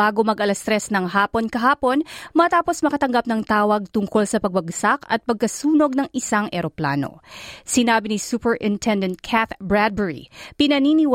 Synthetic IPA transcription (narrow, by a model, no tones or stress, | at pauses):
aːɡo̞mɐɡʔɐlɐst̪ɾɛsnɐŋɦaːpo̞nkɐɦaːpo̞nmɐt̪aːpo̞smɐkɐt̪ɐŋɡap̚nɐŋt̪aːwɐɡ̚t̪ʊŋko̞lsɐpɐɡ̚bɐɡsakɐ̰t̪̚pɐɡ̚kɐsuːno̞ɡ̚nɐŋʔɪsaŋʔɛɾo̞pla̰ːno̞̰sɪnaːbinisupɛɹʔɪnt̪ʰɛnd̪ɛnt̪̚kʰat̪bɹad̪̚bɛɹḭpɪnɐniːniw